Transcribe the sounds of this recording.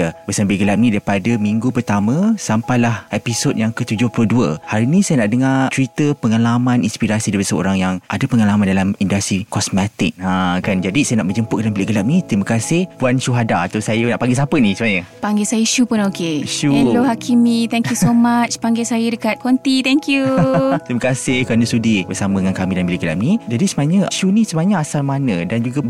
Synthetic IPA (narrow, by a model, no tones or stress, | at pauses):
əbəsabiliʔɡəlap̚nĩdaipadəmiŋɡupərt̪amãsampajlahɛpisot̚jaŋkət̪ud͡ʒʊhploduə̰haɾinĩsajanaʔdəŋat͡ʃɾit̪əpəŋalamãninspiɾasidaipadəsəo̰ɾaŋjaŋʔa̰dapəŋalamãndalamindast̪ɾikɔsmɛt̪ɪ̰k̚akand͡ʒadisajanaʔbəd͡ʒəmpʊtk̚dalambileʔɡəlap̚nit̪ɾimakasɪhpuanʃuɦadaːt̪awsajənaʔpaŋɡes̬apənĩsəbaɲəpaŋɡɛsajəiʃupʊnokeiʃuhɛloɦakʰimĩt̪ɛŋkjusomat͡ʃpaŋɡesajədəkat̪̚kʰɔnt̪it̪ɛŋkjut̪ɾiməkasɪhkɾanə̃sudibəsamə̃əŋankamĩdanbileɡəla̰p̚nid͡ʒadisəmaɲəʃunĩsəbaɲəasalmanə̃dand͡ʒuɡa